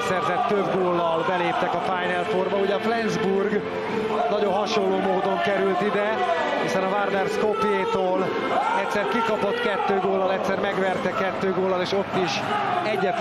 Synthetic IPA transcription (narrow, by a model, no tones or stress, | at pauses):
t̪sɛrzɛt̪ːøbɡoːlːɒlbɛleːp̚t̪ɛkɒfaːjnɛlforbɒuɟɛɒflɛnzburɡ | nɒɟo̞nɦɒʃolːoːmoːd̪o̞ŋkɛɾylt̪id̪ɛ | hisɛnɒvard̪ɛrskopieːt̪oːl | ɛctʲsɛrkikɒpo̞t̪kɛt̪ːøːɡoːlːɒlɛct̪sɛrmɛɡʋɛrt̪ɛkɛt̪ːøːɡoːlːɒleːʃo̞t̪ːiʃ | ɛɟːɛt̪